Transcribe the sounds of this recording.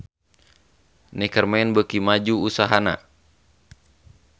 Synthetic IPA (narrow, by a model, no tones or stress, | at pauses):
nikərmɛnbəkimad͡ʒuːsaɦana̰